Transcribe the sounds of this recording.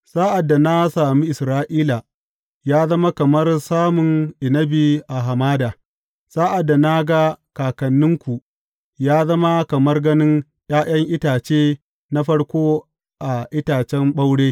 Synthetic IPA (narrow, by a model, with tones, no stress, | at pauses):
saː˦ʔa˨dːa˨na˦saː˨mi˦ʔɪ˨sɾaː˦ʔiː˦la˨ | jaː˦zɐ˦ma˦kɐ˨mɐ˦rsaː˦mʊ˨ŋʔɪ˨nɐ˦bi˨ʔa˨ɦa˨maː˦daː˨ | saː˦ʔa˨dːa˨na˦ɡa˦kaː˨kɐ˨nːɪ˦ŋkʷu˨ʔ | jaː˦zɐ˦ma˦kɐ˨mɐ˦rɡɐ˦nɪ˦ŋ | j̰aː˦j̰ɐ˦ŋʔɪ˦taː˨t͡ʃeː˦ | na˦ɸɐ˦ɽkʷoː˦ | ʔa˨ʔɪ˦taː˨t͡ʃɛ˦mɓa˦wɽeː˦